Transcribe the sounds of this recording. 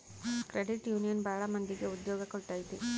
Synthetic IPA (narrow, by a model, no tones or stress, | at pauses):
kɾeɖiʈjuːnijɐnbʱaːɭɐmɐnd̪iɡeud̪jɔːɡɐkɔɭʈ̪aːjit̪i